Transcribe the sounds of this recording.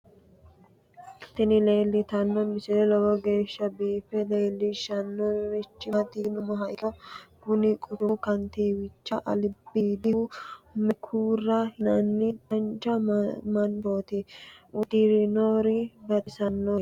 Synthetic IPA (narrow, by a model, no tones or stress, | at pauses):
t̪ɪnɪle̞ːlːɪt̪ɐnːɔmɪsɪlɛlɔwɔɡe̞ːʃːɐbiːfɛle̞ːlːɪʃɐnːɔɪt͡ʃːɪɐt̪inʊmɐɦɐjkɐɡʊnɪkʼʊt̪ʊkɐnt̪iːwɪt͡ʃːɐʔɐ̰lɪbːiːd̪ɪhʊmɛkʰuːrːɐhɪnɐnːɪtɐnt͡ʃɐmɐnboːt̪ɪʊd̪ɪɾɪnoːɾɪbɐt̪ɪsɐnːo